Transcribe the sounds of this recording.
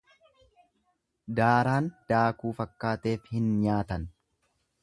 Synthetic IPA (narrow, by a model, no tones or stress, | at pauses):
d̪aːɾaːnd̪̥aːkuːfɐkːaːt̪e̞ːfhɪnɲaːt̪ɐn